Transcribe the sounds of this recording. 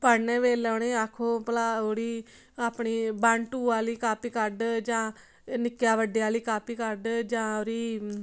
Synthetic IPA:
pəɾnẽːʋeːlɛːneːakʰːõːpəlaːoːɾiː | aːpɳiːbãɳʈuːaːliːkaːpiːkəɾɖd͡ʒãː | nɪkjaːʋəɖejaːliːkaːpiːkəɾɖd͡ʒãːoːɾiː

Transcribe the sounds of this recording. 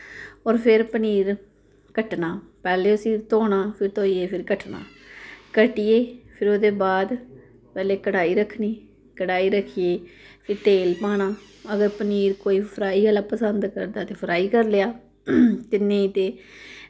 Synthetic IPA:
ɔːɾpʰɪɾpəniːɾ | kəʈnaːpɛːleːʊsĩːt̪oːɳ̃aːpʰɪɾt̪oːiːeːpʰɪɾkəʈʰna̰ːkəʈijeːpʰɪɾoːd̪eːbaːd̪ | pɛːleːkəɽaːiːɾəkʰːniː | kəɽaːiːɾəkʰːijeːpʰɪɾʈeːlpaːɽ̃aː | əɡəɾpəniːɾkoːiːpʰəɾaːiːəːlaːpəsənd̪kə̰ɾd̪aːt̪eːpʰəɾaːiːkəɾleːaː | t̪ɪnːẽːit̪eː

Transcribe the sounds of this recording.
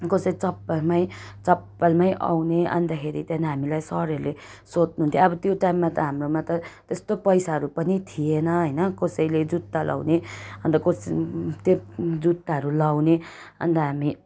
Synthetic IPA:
kosʌt͡sʌpːalmaj̃t͡sʌpːalmajʔa̰wneʔʌ̰nd̪akʰeɾit̪janɦamilajsʌɾeɾule | sot͡snuɦunt̪ʰjõʌbʌt̪joʈajmːat̪ʌɦamromat̪ʌt̪est̪opʌjsaɦʌɾupʌnit̪ʰienʌɦʌjnʌkosʌjled͡zut̪ːalʔa̰wneʌndʌkost̪jod͡zut̪ːaɦʌɾulawne | ʌ̰nt̪aɦami

